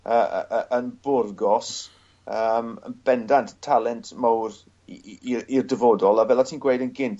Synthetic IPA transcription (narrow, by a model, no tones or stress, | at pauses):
əəʔəʔənbʊrɡɔs | əːmə̰nb̥ɛndantʰtʰalˠɛntʰmawr | irdəvɔdɔlˠavɛlˠatʰiːnɡwejdənɡɪnθ